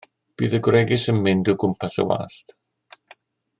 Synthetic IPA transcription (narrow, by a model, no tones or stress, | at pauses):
b̥iːðəɡwrɛɡɪsənmɪndɔɡʊmpʰasə̰wa̰ːst